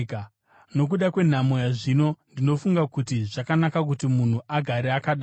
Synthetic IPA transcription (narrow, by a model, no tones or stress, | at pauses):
k | no̞k̬uɗakwe̞n̤amojaʐino̞ndino̞fuŋɡakutiʐakanakak̬utimun̤uʔaɡʱaɾeakaɗa